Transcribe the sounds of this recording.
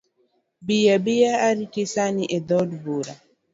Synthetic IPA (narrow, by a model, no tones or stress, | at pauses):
bijabijaːɾikisaniʔed̪ɔdbuɾa